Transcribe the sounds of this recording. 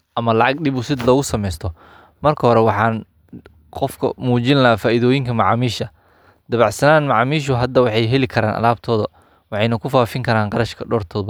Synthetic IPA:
ʔɐmɐlɑʕɑɡɗɪbʊsɪd̪lɔːɣʊsɐmɛjst̪ʰɔ | mɐrkʰɐɦɔɾɛwɑħɑːn | qɔfkʰɐ̰muːt͡ʃɪnlɐfaːʔiðɔːjɪŋkʰɐmɑʕɑːmiːʃɐ | d̪̥ɐβɑʕsɐnaːnmɑʕɑːmiːʃ̬ʊɦɐd̪ːɐwɑħɑjɦɛlɪkʰɐɾaːnʔɐ̰laːb̚t̪ʰɔːðɐ | wɑħɑjnɐkʰʊfaːfɪŋkʰɐɾaːnqɑɾɐʃkʰɐɖɔːrt̪ʰɔːb

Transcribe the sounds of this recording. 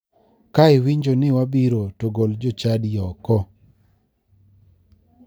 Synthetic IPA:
kaɪwiɲd͡ʒonɪwabiɾotoɡold͡ʒot͡ʃadjɔkɔ

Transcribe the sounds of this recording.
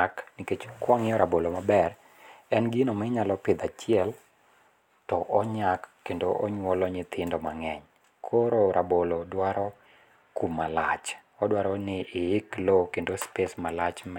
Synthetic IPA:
aknɪket͡ʃkwɔŋɪɔɾabolomabɛr | ɛnɡɪnomɛɲalɔpɪd̪at͡ʃjɛl | tɔʔɔɲakːendoʔɔɲwɔlɔɲɪt̪ʰɪndɔmaŋɛɲ | kʰoɾoɾabolodwaɾɔ | kumːala̰t͡ʃɔdwaɾɔnɪʔːɪklokendospesmalat͡ʃm

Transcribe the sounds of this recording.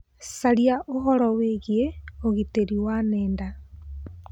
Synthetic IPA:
saɾiaʔoɦɔɾɔweɣieoɣiteɾiwaneːnda

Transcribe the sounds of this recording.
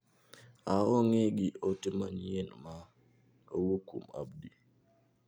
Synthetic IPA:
aɔŋeɡiotɪmaɲjenma | o̰wukṵma̰bdi

